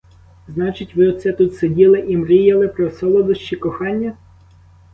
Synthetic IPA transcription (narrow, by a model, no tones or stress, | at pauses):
znɑt͡ʃɪtʲʋɪɔt̪sɛt̪ut̪sedʲilˠɪʔimɾijɐlˠɪpɾɔsɔlˠɔd̪ʊʃt͡ʃikɔxɑnʲːɐ